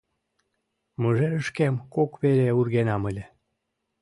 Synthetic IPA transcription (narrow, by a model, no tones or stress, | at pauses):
məʒeɾəʃkemkokβeɾeurɣenɑməlʲĕ